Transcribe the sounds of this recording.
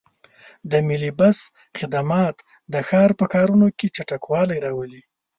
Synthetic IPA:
d̪əmilibas | xɪd̪amɑt̪ | d̪əxɑɾpəkɑɾunoket͡ʃaʈakwɑlajɾɑwəli

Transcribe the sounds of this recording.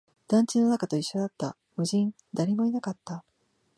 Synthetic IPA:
d̪̥ãɲ̟t͡ɕino̞nakat̪o̞iɕːo̞d̪at̪ːa | bɯ̟ʑĩn | d̪aɾʲimo̞inakat̪ːa

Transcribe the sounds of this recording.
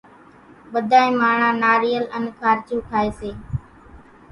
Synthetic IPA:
ɓəd̪ʱãːẽːmaːɳãːnaːɾiːələnkʰaːɾt͡ʃũːkʰaːeːseː

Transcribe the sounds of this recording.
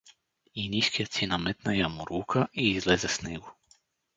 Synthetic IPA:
iniʃkiat̪sinamet̪najamuɾuːkʰaʔiːzlezɛsneɡu

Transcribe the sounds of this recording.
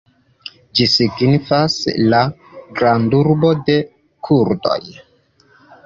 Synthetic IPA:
d͡ʒisiɡnifasla | ɡɾanduɾbo̞de̞ | kʰuɾdo̞̰j

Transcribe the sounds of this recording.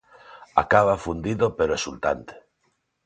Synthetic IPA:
a̰kaβafund̪iðopeɾoesult̪a̰nt̪e̥

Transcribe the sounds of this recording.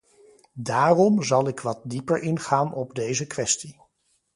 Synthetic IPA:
daːrɔmzɑlˠɪkʋɑt̚dipəɹʔɪnχaːnɔbdejzəkʋɛsti

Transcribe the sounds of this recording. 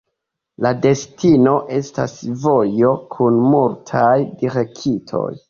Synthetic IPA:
lade̞stino̞ʔe̞sta̰svo̞jo̞kʰunmultʰajdiɾekitʰo̞̰j

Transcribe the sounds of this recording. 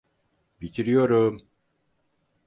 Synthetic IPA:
bic̪ʰiɾijoɾum

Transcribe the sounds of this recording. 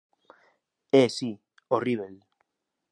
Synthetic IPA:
esi | oriβel

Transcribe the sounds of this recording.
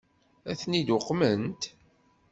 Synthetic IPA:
æθnid̪ʊqːmənt̪

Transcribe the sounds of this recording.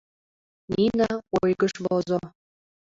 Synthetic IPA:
ninɑojɣəʃβozo

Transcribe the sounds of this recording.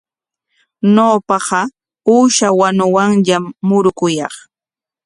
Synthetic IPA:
noːpɑɢɑ | uːʃawanʊwaŋʎamːʊɾʊkʊjɑ̰χ

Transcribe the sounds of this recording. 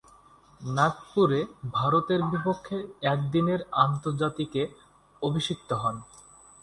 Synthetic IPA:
nakpuɾebʱaɾot̪eɾbipokʰːeɛk̚d̪ineɾant̪oɾd͡ʑat̪ike | obʱiʃik̚t̪oɦɔn

